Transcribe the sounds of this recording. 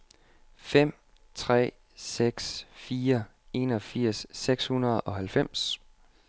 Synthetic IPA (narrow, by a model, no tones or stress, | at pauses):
fem̰ | t͡sʰʁɛ̰ː | seɡ̥sfiːɐ | e̝nɒ̽fiɐ̰sːeɡ̥shunɐð̞̩ˠɒ̽hælfem̰s